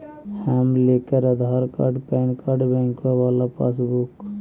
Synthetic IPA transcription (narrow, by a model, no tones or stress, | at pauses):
hamlekəɾəd̪ʱaɾka̰ɖpɛnkaɖbɛ̃ŋkabalapa̰s̬buk